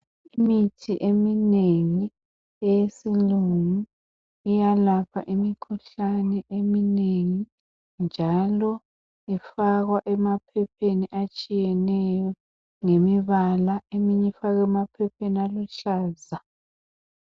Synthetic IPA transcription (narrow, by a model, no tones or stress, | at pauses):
imitʰiʔemineŋi | ɛjesiluŋuː | jalapʰa̰ʔimikʰuɬanɛʔemineŋi | nd͡ʒʱalɔ | ifaɣwaʔɛmapʰɛpʰeniʔat͡ʃʼijɛnɛjɔ | ŋemiβalaemiɲɛfaɣɛmapʰɛpʰenialuɬaːza